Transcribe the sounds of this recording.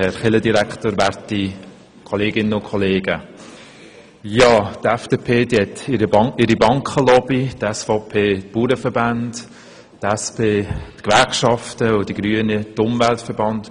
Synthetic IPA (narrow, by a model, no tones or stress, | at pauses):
ɛɾχɪlədiɾæktoːɾʋæɾti | kʰɔleːɡɪnəʊkʰχɔleːɡə | jɑːtɛfd̥epʰeːdiɛtɪɾəɪɾibɑŋkχəlɔbitɛsfɔʊpʰeːt̚puːɾəfəɾband | tɛspeːtkʋæɾkʃɑftəʊd̥iɡ̥ɾyənitʊmvæltfəɾbɑnd